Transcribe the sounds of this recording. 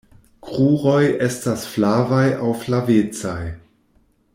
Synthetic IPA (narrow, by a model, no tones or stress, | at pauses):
kʁuʁo̞jestasflavajawflavet͡saj